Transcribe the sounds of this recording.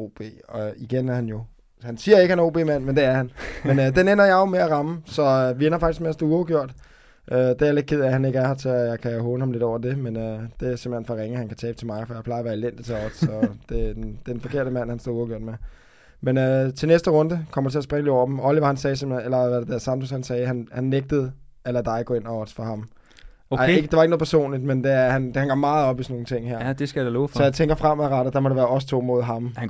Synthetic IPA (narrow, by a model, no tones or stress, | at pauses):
o̝̰ːb̥e̝̰ːɒiɡ̥enæɐhænjo̝ | hænsiːɐe̝ɡ̥əhæno̝̰ːb̥e̝̰ːmæn̰mend̥e̝æɐhænmenød̥enenɐjɑ̈ɪo̝meæʁɑ̈məsɒ̽ʋienɐfɑ̈ɡ̥isɡ̥meæsd̥ouɒɡ̥jo̝ɐ̰d̥ | ʔød̥eæle̝d̥kʰið̞̰ˠæhæne̝ɡ̥æɐhɑ̈t͡sʰe̝jɑ̈ɪkʰæɦɔ̽ːləhɑmle̝d̥ɒ̰ʊɐd̥e̝menød̥e̝æɐsem̥l̩henfɒʁeŋəhænkʰæt͡sʰɛːb̥ət͡sʰe̝lmɑ̈ɪfɒjɑ̈ɪpʰlɑ̈ɪɐʋæːɐelen̰d̥it͡sʰeɒd̥sɒ̽d̥e̝ded̥ed̥enfɒ̽kʰe̝ɐ̰ɾ̥əmæn̰hænsd̥o̰uɐɡ̥øɐ̰d̥me | menøt͡sʰe̝lnesd̥əʁɔ̽nd̥əkʰɒ̽m̰ɐd̥t͡sʰe̝æɐsb̥ʁɛŋəliɒʊ̰ɐ̥m̩ɒ̽liʋɑ̈hænsɛːsemlenelɐʋæded̥æɐsɑ̈md̥ʰoshænsɛːhænhænːeɡ̥̚d̥əð̩ˠælæd̥ɑ̈ɪɡɔ̰ːe̝nɒɒ̽d̥fɒɦɑ̈m | eɡ̥əd̥e̝ʋɑ̈eɡənoð̩ˠpʰɐso̝̰ːnlid̥mend̥e̝æɐhænhænɡ̥ɒ̰mɑ̈ːð̩ˠɒ̽b̥isɒno̝ːŋ̩t͡sʰe̝ŋ̰ɦæɐ̰d̥esɡ̥æ̥ælofsɒjɑ̈ɪt͡sʰeŋɡ̥ɐfʁam̰æʁɑɾ̥ɐd̥ɑ̈mɒɾ̥eʋæːɐɒ̽sə̥t͡sʰo̝̰ːmo̝ð̞̰ˠɦɑ̈m